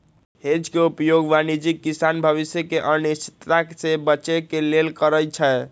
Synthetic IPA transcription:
hed͡ʒkeupjoɡʋanid͡ʒikːisanbʱəβisjəkeʔənist͡ʃi̥t̪ɾaksebəːt͡ʃekelelkəɾəjt͡ʃʰə

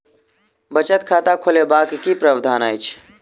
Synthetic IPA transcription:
bət͡ʃət̪kʰat̪akʰolebakkipɾəbd̪ʱaːnajt͡ʃʰ

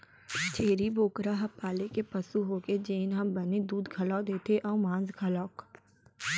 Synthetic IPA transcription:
t͡ʃʰeːɾiboːkɾaɦɐpːaːlekepɐsuɦoːked͡ʒeːnɦɐmbɐned̪uːd̪ɡʰʱɐlad̪eːt̪ʰeʔɔːmãːnzɡʰʱɐlɔːk

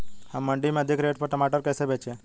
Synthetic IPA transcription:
hamːəɳɖimẽəd̪ʱikɾeʈ̚pəɾʈəmaʈəɾkɛsebet͡ʃʰe

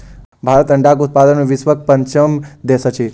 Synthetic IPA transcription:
bʱaɾət̪əɳɖaɡut̪̚pad̪ənnuʋɪsʋək̚pəɲt͡ʃəmd̪esət͡ʃʰi

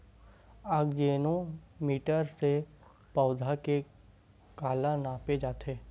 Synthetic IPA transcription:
aɡd͡ʒeːnõmiːʈəɾse | pɔːʊd̪ʱake | kaːlãnaːped͡ʒaːt̪ʰeː

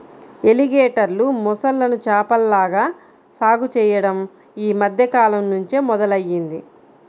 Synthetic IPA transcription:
e̞liɡeːʈɐɾlumɔsɐlːɐnut͡ʃaːpɐlːaːɡaː | saːɡut͡ʃɛːjɐɽɐm | iːmɐd̪ʱjɐkaːlɐmnuɲt͡ʃemɔd̪ɐlɐjːind̪i

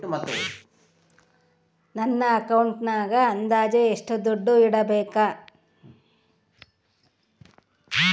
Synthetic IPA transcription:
ʈumɐt̪ːu | nɐnːɐːkɐwɳʈnaːɡɐːnd̪aːd͡ʒɐeʂʈud̪oɖːuiɽɐbɛːka

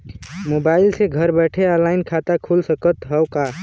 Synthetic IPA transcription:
mobaɪlseɡʱəɾbɛʈʰeəlaɪnkʰat̪akʰulsəkət̪ɦəka

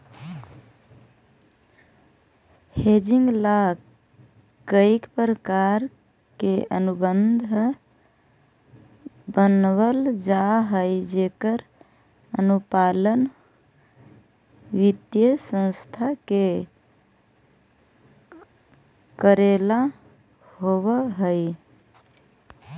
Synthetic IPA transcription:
hed͡ʒiŋɡla | kəikpɾəkaɾ | keənubənd̪ʱ | bənβəld͡ʒaɦəjd͡ʒekəɾ | ənupalən | ʋid̪jəsə̃nst̪ʰake | kəɾela | hoβəɦəj

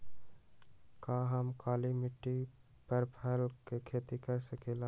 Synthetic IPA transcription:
kaːɦəmkaːlimɪʈːi | pəɾpʰəlkekʰeːt̪ikəɾsəkeːla

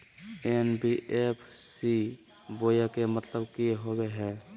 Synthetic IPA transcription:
eːnbiʔeːpʰsi | boːjakemət̪ləbkieɦoweɦɛː

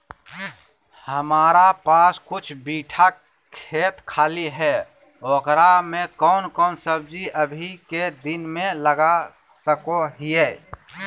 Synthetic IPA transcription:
həmaːɾapaːskʊt͡ʃʰbiːʈʰa | kʰeːt̪kʰaːliɦɛː | ɔːkɾamẽkɔːnkɔːnsəbd͡ʒiəbʱiked̪ɪnmẽləɡa | səkoɦieː

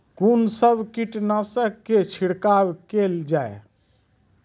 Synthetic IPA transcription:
kunsəbʱkiʈnasəkːet͡ʃʰiɽkabkeld͡ʒae

